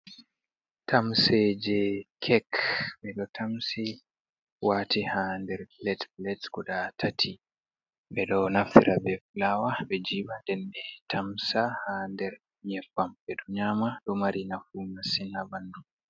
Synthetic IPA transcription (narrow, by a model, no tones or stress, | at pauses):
tʰamsed͡ʒɛkʰɛkɓɛɗɔtʰamsi | waːtʰihandɛɾlɛtlɛtɡɔɗatʰatʰi | ɓɛɗɔnafḭɾʔabɛflawaɓɛd͡ʒiːbandɛnɓɛtʰamsahandɛɾ | ɲɛfambɛɗɔɲamaɗɔmaɾinafunasinabandu